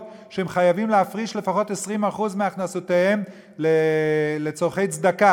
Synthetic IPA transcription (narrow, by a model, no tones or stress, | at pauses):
ʃeemχajavimleafʁiʃle̞faχo̞t̪e̞sʁimaχuzmeaχnasot̪ehe̞m | lelet͡so̞ʁχe̞jt͡sd̪aka